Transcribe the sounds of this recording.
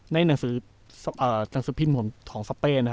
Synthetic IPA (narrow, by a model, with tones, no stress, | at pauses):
na˧˥˩jna˨˩˦ŋsɯː˩˦ | sʔəː˨˩na˩˦ŋsɯː˨˩˦pʰi˧˥˩nmʰo˨˩˦nt̪ʰɔː˩˦ŋsa˧peː˧˩na˥